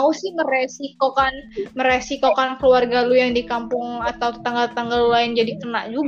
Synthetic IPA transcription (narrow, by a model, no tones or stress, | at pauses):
mausɪhməɾɛsikokanməɾɛsikokankəluarɡalujaŋdikampʊŋat̪awt̪ə̥t̪aŋɡalt̪ət̪aŋɡalulaɪnd͡ʒadikənaʔd͡ʒuɡ